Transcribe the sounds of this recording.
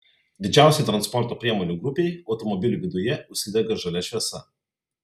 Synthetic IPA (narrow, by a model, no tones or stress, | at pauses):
d̪ʲɪd͡ʒʲæˑʊsʲɛɪt̪ɾɐnspɔɾt̪oːpʲɾʲiɛmɔːnʲuːɡɾʊpʲeɪɒʊt̪ɔmɔbʲɪlʲuʋʲɪd̪ʊjɛʊʃʲsʲɪd̪ʲɛɡɐʒɐlʲɛʃʲʋʲɛsɐ̰